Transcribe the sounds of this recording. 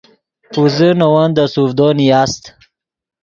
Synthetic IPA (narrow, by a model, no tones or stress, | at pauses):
puzənowand̪əsuvd̪ɔnijast̪